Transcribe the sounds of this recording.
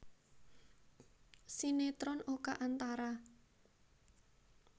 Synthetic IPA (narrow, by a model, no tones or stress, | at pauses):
sinet̪ɾɔnokaʔant̪aɾa